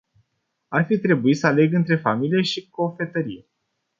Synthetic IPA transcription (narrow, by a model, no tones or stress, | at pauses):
arfit̪ɾe̞buit̪səale̞ɡɨnt̪ɾe̞familije̞ʃiko̞fe̞t̪əɾḭje